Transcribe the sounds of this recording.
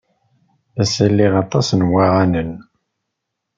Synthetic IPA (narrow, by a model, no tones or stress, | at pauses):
θæsəlːiʁɑt̪ˤɑsnwaʁanən